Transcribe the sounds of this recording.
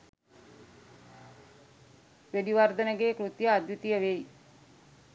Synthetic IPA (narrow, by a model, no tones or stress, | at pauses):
ʋeɖiʋaɾd̪ənəɡeːkɾut̪jəːd̪jut̪ijəʋej